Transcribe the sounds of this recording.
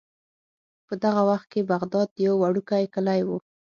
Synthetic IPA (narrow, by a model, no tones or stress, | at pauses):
pəd̪aɣawaxt̪̚kebaɣd̪ɑd̪jawːaɽukajkəlajwu